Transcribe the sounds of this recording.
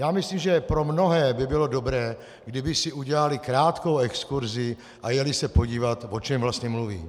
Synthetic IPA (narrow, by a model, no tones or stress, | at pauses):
jaːmɪsliːmʒɛpɾo̞mno̞ɦɛːbɪbɪlo̞do̞bɾɛː | ɡdɪbɪsɪuɟɛlalɪkɾaːt̪ko̞wɛkskuɾzɪ | ʔajɛlɪsɛpo̞ɟiːvat̪vo̞t͡ʃɛmvlast̪ɲɛmluvḭː